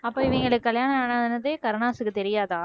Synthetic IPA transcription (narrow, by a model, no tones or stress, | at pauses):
ɐpːoːɪʋɐŋɡɐɭɯkːɯkːɐljaːnɐanaːðɐnɐt̪ːeːkɐɾnaːsɯkːɯt̪ɛɾɪjaːðaː